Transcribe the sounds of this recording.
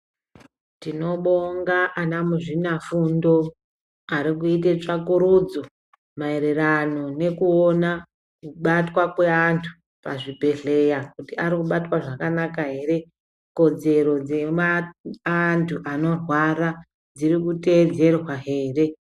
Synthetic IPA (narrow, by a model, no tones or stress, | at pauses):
tino̞ɓoŋɡaʔanamuʐinafundo̞ | aɾikuit̬e̞t͡ʂakuɾud͡zo̞ | mae̞ɾerano̞ne̞kuona | kuɓatwakwe̞antʰu̥ | pa̰ʐibʱe̞ɮe̞jakutiaɾikuɓatwaʐakanakaɦe̞ɾe̞ | ko̞d͡ze̞ɾo̞d͡ze̞maantʰuʔano̞rwaɾa | d͡ziɾikute̞ːd͡ze̞rwaɦe̞ːre̞